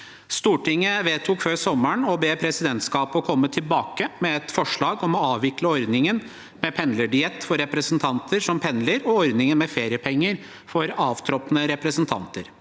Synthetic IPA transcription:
st̪uːʈɪŋːəʋeːt̪ʰuːkføːsɔmːəɳɔbeːpʰɾɛsɪd̪ɛnt̪skɑːpɔkʰɔmːət̪ʰɪlbɑːkəmɛɛt̪fɔʂɭɑːɡɔmɔɑːʋʋɪkləɔɾd̪nɪŋən | mɛpʰɛnləɖɪɛt̪fɔɾːɛpɾəsnt̪ʰɑnt̪ʰəɾʂɔmpʰɛnləɾɔɔɾd̪nɪŋənmɛfeːɾɪjəpʰɛŋːəɾ | fɔɾɑːʋt̪ʰɾɔpnəɾɛpɾəsnt̪ʰɑ̰nt̪ə̰ɾ

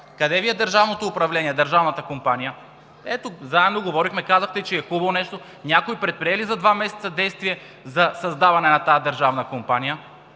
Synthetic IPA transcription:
kɐd̪ɛviɛd̪əɾʒavnot̪oːpɾɐvlɛnʲiɛd̪əɾʒavnɐt̪əkompanijə | ɛt̪ozaɛmnoɡovɔɾixmɛkazɐxt̪ɛt͡ʃɛɛxubɐlˠonɛʃt̪o | nʲakoipɾɛt̪̚pɾiɛlizɐd̪vamɛsɛt̪sɐd̪ɛjst̪viɛ | zɐsɐzd̪avɐnɛnɐt̪ad̪ɐɾʒavnɐkompanijə

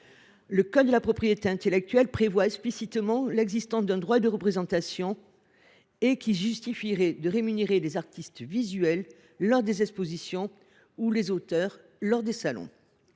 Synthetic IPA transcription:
ləkɔd̪əlapχɔpχijet̪eɛ̃t̪elɛk̚t̪ɥɛlpχevwaɛksplisit̪mɑ̃lɛɡzist̪ɑ̃sd̪ɛ̃d̪ʁwad̪əʁəpχezɑ̃t̪asjɔ̃ | ekʲiʒyst̪ifiʁɛd̪əʁemyneʁelezaʁt̪ist̪vizɥɛlː | ɔʁd̪ezɛkspozisjɔ̃ | ulezot̪œʁ | lɔʁd̪esalɔ̰̃

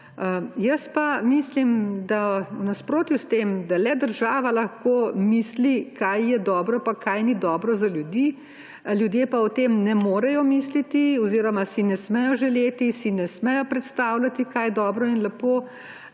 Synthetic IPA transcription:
jəspamislimd̪awnaspɾoːt̪just̪emd̪alɛd̪əɾʒaːʋalɐxkoːmiːslikajjɛd̪ɔːbɾɔpakʰajnid̪ɔːbɾɔzaljud̪iː | ljud̪jeːpaɔt̪emnɛmoːɾɛjɔmiːslit̪iɔziːɾɔmasinɛsmɛjɔʒɛleːt̪isinɛsmɛjɔpɾɛt̪st̪aːwlʲat̪ikajd̪ɔːbɾɔinlɛpoː

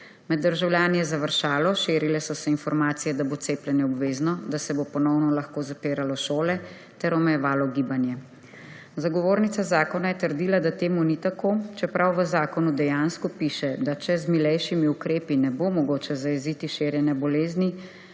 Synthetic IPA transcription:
mɛd̪ːəɾʒawljaːnijɛzaʋəɾʃaːlɔʃeːɾilɛsɔsɛinfɔɾmaːt̪sijɛd̪abot̪seːplɛnjɛɔbʋeːznɔd̪asɛbopɔnɔwnɔlaxkoːzapeːɾalɔʃoːlɛ | t̪ɛɾɔmɛjɛʋaːlɔɡiːbanjɛ | zaɡɔʋoːɾnit̪sazaːkɔnajɛt̪əɾd̪iːlad̪at̪eːmunit̪akoːt͡ʃɛpɾʔawʋəzaːkɔnud̪ɛjanskɔpiʃɛd̪at͡ʃɛzmilɛjʃimiukɾeːpinɛbomɔɡoːt͡ʃɛzajɛziːt̪iʃeɾjɛnɛbɔleːzni

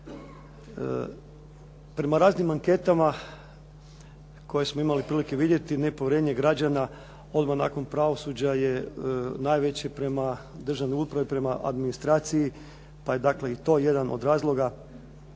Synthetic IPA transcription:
pɾe̞maɾaːznimaŋke̞t̪ama | ko̞jesmoimalipɾiːlike̞ʋid̪jet̪ine̞poʋeɾeɲe̞ɡɾad͡ʑana | o̞d̪mana̰ːko̞npɾaʋo̞sud͡ʑaje̞naːjʋe̞t͡ɕepɾe̞mad̪r̩ʒaʋnouspɾaʋipɾe̞maʔa̰d̪minist̪ɾaːt̪siji | paje̞d̪akle̞it̪o̞ːje̞d̪ano̞̰d̪ɾaːzlˠo̞ɡa

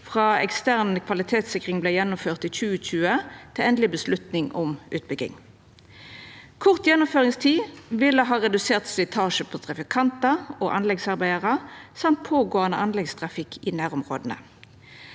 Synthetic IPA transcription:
fʁɑːɛkst̪æʁnəkʰʋɑlɪt̪ʰeːt̪sɪkʁɪŋblɛɪjɛnːʊmføːʁt̪iːc͡çʉːəc͡çʉːət̪ʰɪlɛnd̪lɪbəslʉt̪nɪŋɔmʔʉ̰ːt̪̚bʏɡɪ̰ŋ | kʰʊʁt̪jɛnːʊmføːʁɪŋst̪ʰiːʋɪlːəɦɑːʁɛd̪ʉseːʁt̪sɪt̪ʰɑːʃəpʰɔt̪ʰʁɑfɪkʰɑnt̪ɑoːʔɑnlɛɡsɑʁbæɪəʁɑsɑmt̪̚pʰoːɡoːɑnə̰ʔɑnlɛɡst̪ʰʁɑfɪkʰːɪnæːʁʊmʁoːd̪nə̰

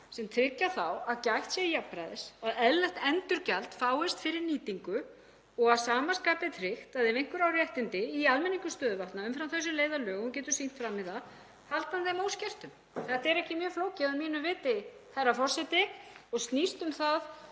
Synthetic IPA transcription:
sɛmt̪ʰɾɪcːaθawaðcajxt̪sjɛijapːɾajðɪsaðɛðlɛht̪ɛnt̪ʏɾcalt̪faːwɛst̪fɪɾɪɾniːt̪iŋkʏ | ɔɣaðsaːmaskaːpɪt̪ʰɾɪxt̪aðɛvejŋ̥kvʏɾawɾjɛht̪ɪnt̪ɪialmɛniŋkʏst̪œːðʏvaht̪naʏmfɾawmθœsːʏmleːjðalœːɣʏmcɛːt̪ʏ̥sin̥t̪fɾamːɪðθa | halt̪anθɛmoːwscɛr̥t̪ʏm | θɛht̪ɛɾɛhcɪmjœːɾfloːwcɪaðmiːnʏvɪːt̪ɪθɛrːafɔr̥sɛt̪ɪɔɣst̪nist̪ʏmθað

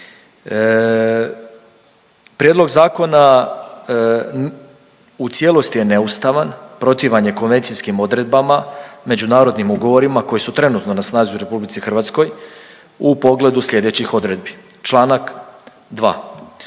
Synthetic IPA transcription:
pɾʲjed̪lˠo̞ɡzaːko̞na | ut̪sʲje̞lˠo̞st̪ije̞ne̞ust̪aʋanpɾo̞t̪iʋaɲe̞ko̞nʋe̞nt̪sijskimo̞d̪ɾe̞d̪̚bamame̞d͡ʑunaːɾo̞d̪nimuɡo̞ʋo̞ɾimako̞jisut̪ɾe̞nut̪no̞nasnaːzuɾe̞publit̪sixrʋaːt̪sko̞j | upo̞ɡle̞d̪usʎʲe̞d̪e̞t͡ɕixo̞d̪ɾe̞d̪̚bi | t͡ʃlˠaːnak | d̪ʋa̰ː

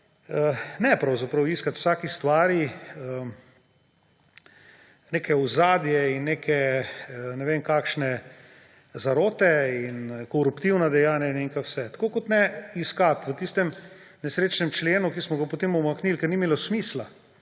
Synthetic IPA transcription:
ənɛpɾɐwzapɾɐwiskat̪w̥saːkist̪ʋaːɾiə | nekʰɛuzaːd̪jɛinːeːkʰɛ | nɛʋeːmkakʃnɛ | zaɾoːt̪ɛinkɔɾupt̪iwnad̪ɛjaːnjaineŋkawsɛt̪ḁkoːkot̪nɛiskat̪ʋət̪ist̪ɛmnɛsɾeːt͡ʃnɛmt͡ʃleːnukismɔɡapot̪eːmumaknilkɛɾnimeːlɔsmiːsla

